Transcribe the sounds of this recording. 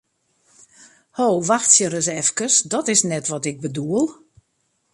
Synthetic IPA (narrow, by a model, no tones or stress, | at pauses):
hoːʋaxtsjəɾəsɛfkəsdɔtɪsnɛtʋɔtɪk̚bəduəlˠ